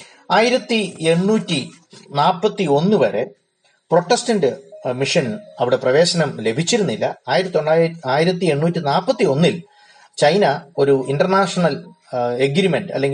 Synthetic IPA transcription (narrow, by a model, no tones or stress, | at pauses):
aːjiɾɐt̪ːie̞ɳːuːtʲːi | naːpːɐt̪ːio̞nːɨʋɐɾe̞̰ | pro̞ʈːestɐnɖɨmiʂɐnɐʋiɽe̞prɐʋe̞ːɕɐnɐmle̞bʱit͡ɕːiɾunːilːɐaːjiɾɐt̪ːioɳːaːaːjiɾɐt̪̬ːie̞ɳːuːtːinaːpːɐt̪ːio̞nːil | t͡ɕɐjnɐo̞ɾuinɖɐrnaːʂɐɳɐl | eɡɾime̞ɳɖɐ̰lːe̞ŋɡi